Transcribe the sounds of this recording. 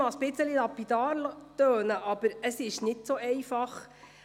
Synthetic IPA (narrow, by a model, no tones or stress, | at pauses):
ɑsb̥ɪt͡səlilɑpːid̪ɑːɾlt̪øːnəʔɑb̥əɾəsɪʃnɪtsoʔɛjfɑχ